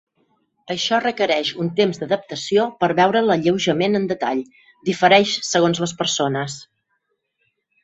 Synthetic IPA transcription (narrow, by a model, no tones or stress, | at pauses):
əʃɔrəkəɾɛʃunt̪emzd̪əðəp̚t̪əsiopəɾβɛwɾələʎəwʒəmenənd̪ət̪aʎ | d̪ifəɾɛʃsəɣonzləspəɾsonəs